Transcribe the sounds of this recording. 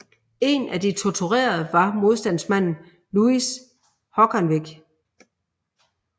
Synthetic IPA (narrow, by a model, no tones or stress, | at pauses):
e̝næd̥it͡sʰɒt͡sʰuʁḛːɐð̞̩ˠʋɑ̈mo̝ð̞ˠsd̥æn̰smæn̰n̩ | luis | hɒ̽ɡ̥ænʋiɡ̥